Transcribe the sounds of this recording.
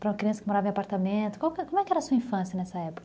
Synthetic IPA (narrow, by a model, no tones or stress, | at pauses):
pɾɐumɐkɾiɐ̃sɐ̥kɪmoɾavɐẽapaɾt̪amẽnt̪ʊ̥kawkkomʊɛkɪɛɾɐsuɐĩfɐ̃sjɐnɛsɐɛpʊ̥kɐɐ